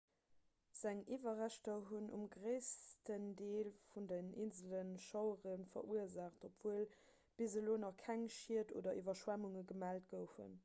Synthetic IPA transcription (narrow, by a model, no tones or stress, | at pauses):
z̥æŋivɐʁæʃtɐɦunʔṵmɡʁəɪstəndeːlfundəninzələnʃɑʊəʁənfɐ̰ʔuəzaːχtopv̥uəl | b̥izəloːnɑχkʰæŋʃiəto̰ːdɐʔivɐʃwæmuŋəɡəmæːlt̚ɡ̥əʊfṵn